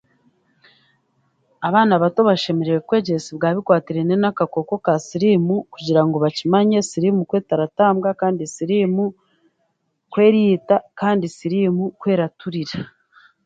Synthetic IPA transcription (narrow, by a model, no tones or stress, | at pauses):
aβaːnaβatoβaʃe̞meɾeɾekwe̞ːɟesiβɡaːβikwaːtiɾe̞nenakako̞ko̞kasiɾimukuɟiɾaŋɡo̞βacimaɲesiɾimukwe̞ːtaɾataːmɡakaːndisiɾimu | kwe̞ːɾitakaːndisiɾimukwe̞ːɾatuɾiɾa